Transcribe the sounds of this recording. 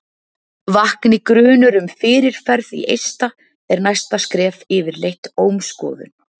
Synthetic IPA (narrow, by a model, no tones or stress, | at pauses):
vahknɪkɾʏːnʏɾʏmfɪːɾɪɾ̥fɛɾðḭʔejst̪a | ɛɾnajst̪askɾɛːfɪːvɪɾlejht̪oːwmskɔ̰ːðʏ̰n